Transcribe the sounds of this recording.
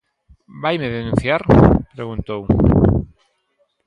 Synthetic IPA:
bajmeðenũn̟θjaɾpɾeɣũnt̪ow

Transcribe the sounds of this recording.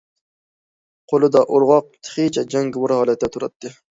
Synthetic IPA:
qʰolˠɨd̪ɑʔoɾʁɑq̚t̪ʰɨ̥χit͡ʃʰɛd͡ʒɛŋɡʊmʊɾhɑːlɛt̪̚ːd̪ɛt̪ʰuɾɑt̪ʰːɨ

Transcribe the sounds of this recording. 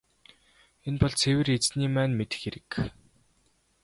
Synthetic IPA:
enpɔɮt͡sʰewɘ̆ret͡sniːmæːnmet̪ɘ̥̆xeɾɘ̆k

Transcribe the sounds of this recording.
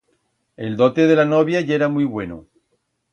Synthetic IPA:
e̞ld̪o̞t̪eð̞e̞lanoβjaʝeɾamjβwe̞no̰

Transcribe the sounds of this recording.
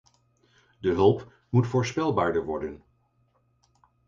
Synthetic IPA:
dəɦɵlˠp | mutfoːɹspɛlˠbaːɹdəɹʋɔ̰ɹdən

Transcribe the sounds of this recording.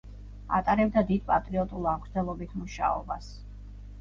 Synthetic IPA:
a̰t̪ʼaɾɛb̚d̪ad̪id̪̚pʼat̪ʼɾiɔt̪ʼulˠamkʰɾd̪zɛlˠɔbit̪ʰmuʃa̰ɔ̰ba̰s

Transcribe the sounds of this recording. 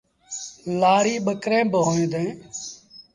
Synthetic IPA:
laːɽiːɓəkɾẽːboːẽːd̪ẽː

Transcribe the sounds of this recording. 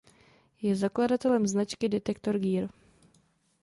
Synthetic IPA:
jɛzakladat̪ɛlɛmznat͡ʃkɪdɛt̪ɛkt̪o̞ɾɡiːɾ

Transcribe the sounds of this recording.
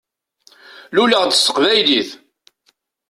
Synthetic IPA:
luləʁd̪əsːə̥qvæjliθ

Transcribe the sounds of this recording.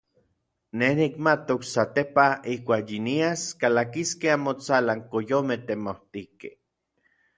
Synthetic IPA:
nehnikmat̪oksat̪epaihkʷaːkjiniaskalakiskeamot͡salaŋkojomet̪emoht̪ikḛ

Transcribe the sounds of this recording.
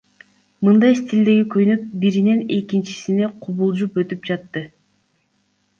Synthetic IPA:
mɯnd̪ɑjst̪ʲild̪e̞ɡikʰønyp̚biɾine̞ne̞kint͡ʃi̥sineqʰuβulˠd͡ʒupø̞t̪ypd͡ʒɑt̪ːɯ

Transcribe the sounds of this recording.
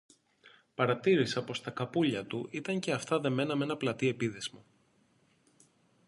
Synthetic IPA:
pɐɾɐt̪iɾisɐpo̞st̪ɐkɐpuʎɐt̪uʔit̪ɐɲce̞ɐft̪ɐðe̞me̞nɐme̞nɐplɐt̪ie̞piðezmɐ

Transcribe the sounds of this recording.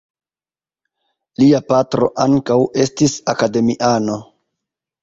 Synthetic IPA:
liapatɾo̞̰ʔaŋkawe̞stisakade̞miʔano̞

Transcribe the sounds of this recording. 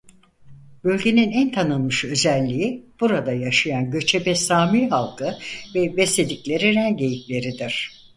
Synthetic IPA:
b̥ø̞lʲɟʲe̞ninænt̪ʰanɯlˠmɯʃø̞zælʲːijib̥uɾad̪ajaʃajanɟø̞t͡ʃʰebɛsaːmiɦalˠkʰɯvɛbɛse̞d̪iclʲe̞ɾiɾænɟejiklʲe̞ɾid̪iɾ̥

